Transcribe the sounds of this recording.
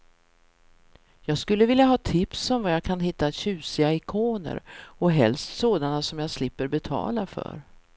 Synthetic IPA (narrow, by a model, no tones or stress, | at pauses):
jɑːɡskɵlːəvɪljaɦɑːt̪ʰɪpsɔmvajaːɡkʰanɦɪt̪ːaɕʉ̟ːsɪaɪkʰoːnə̰ɾɔɦɛ̰lst̪soːd̪anasɔmjaːɡslɪpːəɾbɛt̪ʰɑ̰ːlafœ̰ɾ